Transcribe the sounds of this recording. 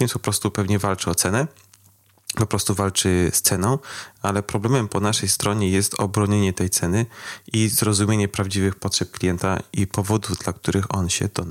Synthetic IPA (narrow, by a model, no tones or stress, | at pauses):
ɛnpɔpɾɔst̪upɛvɲɛvalt͡ʂɘɔt̪sɛnɛ | pɔpɾɔst̪uvalt͡ʂɘst̪sɛnɔ̃w̃alɛpɾɔblɛmɛmpɔnaʂɛjst̪ɾɔɲɛjɛst̪ɔ̰bɾɔɲeɲɛt̪ɛjt̪sɛnɘʔizɾɔzumʲjeɲɛpɾavd͡ʑivɘxpɔtʂɛp̚klʲijɛnt̪a̰ipɔvɔd̪uvd̪lak̚t̪uɾʔɘxɔnɕɛ̰d̪ɔn